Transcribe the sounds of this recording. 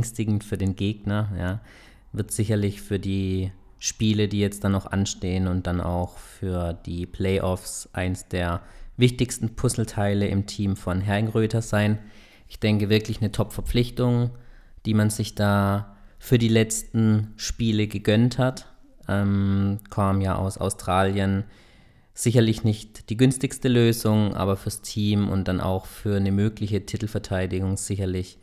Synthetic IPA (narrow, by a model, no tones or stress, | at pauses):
ŋstɪɡŋ̩tfyːɐdeːnɡeːɡ̚nɐjaː | vɪɐtz̥ɪçɐlɪçfyːɐdiː | ʃpiːlədiːjɛt͡std̥anaxʔa̰nʃteːənʊnt̚d̥anʔa̰ʊxfyːɐd̥iːpʰlɛɪʔɔfsʔa̰ɪnəsd̥eːɐvɪçtɪçstn̩pʰʊsl̩tʰaɪləʔɪmtʰiːmfɔnɦɛɐɡŋʁøːtʰɐzaɪn | ʔɪ̥çd̥ɛŋkəvɪɐklɪçnətʰɔpfɛɐp͡flɪçtʊŋ | d̥iːmanzɪçd̥aːfyːɐdiːlɛt͡stn̩ʃpiːləɡəɡœnthatʔɛːmkʰaːmmjaːʔa̰ʊsa̰ʊstʁ̥aːljən | z̥ɪçɐlɪçnɪçtd̥iːɡʏnstɪçstəløːzʊŋʔa̰ːbɐfyːɐstʰiːmʊ̰nt̚d̥anʔa̰ʊxfyːɐnəmøːklɪçətʰɪtl̩fɛɐtʰaɪdɪɡʊŋz̥ɪçɐlɪç